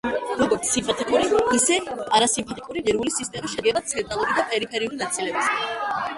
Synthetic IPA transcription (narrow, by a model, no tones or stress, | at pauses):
ɾɔɡɔɾt̪sʰːimpʰʼɛt̪ʼikʼuɾiisɛaɾasimpʰɛt̪ʼikʼuɾiʁiɾulisist̪ʼɛmisʃɛd̪ɡɛbat̪sʰɛnt̪ʼalˠuɾid̪apʼɛɾipʰɛɾiulinat̪sʰʼilɛbis